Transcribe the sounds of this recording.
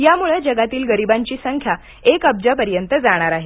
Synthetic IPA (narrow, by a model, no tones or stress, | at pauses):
jamuɭəd͡ʑəɡat̪iːlɡəɾibaɲt͡ɕiːsəŋkʰja | ekəb̚d͡ʑapəɾjənt̪əd͡zaɽ̃aɾaɦe